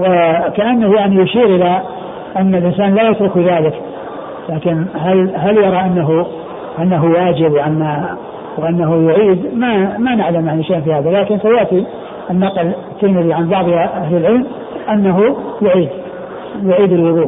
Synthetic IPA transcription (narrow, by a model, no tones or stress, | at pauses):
wakaʔanːahjaʕnijʊʃiːɾʔɪla | ʔanːalʔɪnsaːnlaːjat̪ɾʊkbiðaːlɪk | laːkɪnɦalɦaljɑɾˤɑʔanːaɦu | ʔanːaɦuwaːd͡ʒɪbwʔanːa | wʔanːaɦujʊʕiːd̪mamanɪʕlamjaʕniʃejʔnfihaːðalaːkɪnsajaːt̪i | ʔɪnːɑqlɪt̪ʰːɪlmɪðiʕanbɑʕðˤhaʔahlɪlʕɪlm | ʔanːaɦujʊʕiːd̪ | jʊʕiːd̪ɪlwʊðˤuː